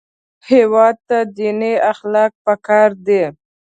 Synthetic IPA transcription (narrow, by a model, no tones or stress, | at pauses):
hewɑd̪̚t̪ad̪ineaxlɑk̚pəkɑɾd̪e